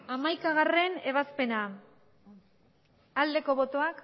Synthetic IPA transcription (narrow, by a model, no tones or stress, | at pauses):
amajkaɣare̞ne̞β̞aspe̞na | ald̪e̞ko̞βo̞t̪o̞ak